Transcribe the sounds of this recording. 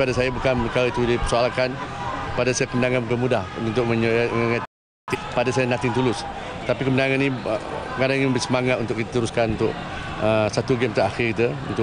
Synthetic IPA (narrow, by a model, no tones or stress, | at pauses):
padasajabukanpəkaɾait̪udipərsualkanpadasajakəməndaŋanbukanmudahunt̪ʊk̚məɲŋəŋa | t̪iʔpadasajanat̪ɪŋt̪ulʊs | t̪apikəməndaŋanːḭ̃ŋadaŋiŋiəmbəɾisəmaŋat̪ʔunt̪ʊkit̪at̪əɾuskanunt̪ʊkəsat̪uɡɛmt̪aaxɪkit̪əṵnt̪ʊ